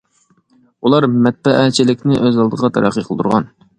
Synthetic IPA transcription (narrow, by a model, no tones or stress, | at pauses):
ulˠɑɾmɛt̪̚bɛʔæt͡ʃʰɪlɪkʲnɪʔøzɑlˠd̪əʁɑt̪ʰɑɾɑ̰qʰiqʰəlˠət̪uɾʁɑn